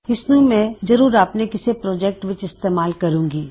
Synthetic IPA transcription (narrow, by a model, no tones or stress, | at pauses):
ɪsnũmɛ̃ːzɐɾuːɾaːpnekɪsepɾoːd͡ʒɛːk̚ʈʋɪt͡ʃɪst̪eːmaːlkɐɾũːŋɡiː